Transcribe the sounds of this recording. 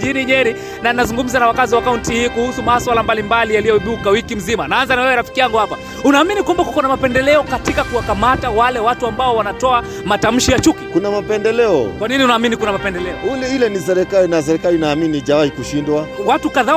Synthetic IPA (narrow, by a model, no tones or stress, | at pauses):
iniɲɛɾi | naninazuŋɡum̩zanawakaziwakauntihiːkuhusumaswalambalimbalijalijɔiɗukawikim̩zimanaanzanawɛwɛɾafi̥kiaŋɡuhapa | unaːminikwambakukɔnamapɛndɛlɛɔkatikakuwakamatawalɛwatuambaɔwanatɔa | matam̩ʃijat͡ʃukikunamapɛndɛlɛɔ̰kwaniniunaːminikunamapɛndɛlɛɔulɛilɛnis̬ɛɾɛkalinas̬ɛɾɛkalinaːminiʄawahikuʃindwawatukaða